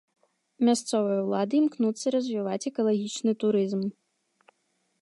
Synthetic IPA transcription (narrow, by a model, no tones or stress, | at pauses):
mʲast̪sɔvɨjɐwlˠad̪ɨimknut̪sːɐiɾɐzʲvʲivat͡sʲɛkɐlˠaɣʲit͡ʂnɨt̪uɾɨzm